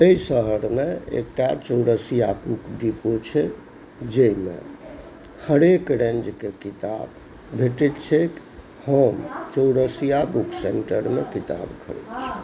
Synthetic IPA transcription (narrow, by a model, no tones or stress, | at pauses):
eisəɦəɾmeḛk̚ʈat͡ʃowɽəsijabukɖipot͡ʃʰɛ | d͡ʒemḛ | kʰəɽekɾẽnd͡ʒkekit̪a̰b | bʱeʈɛt̪t͡ʃʰek | həmt͡ʃoɽəsijabukʰseɳʈəɾmekit̪a̰bkʰə̰ɽḛt̪t͡ʃʰɛ̥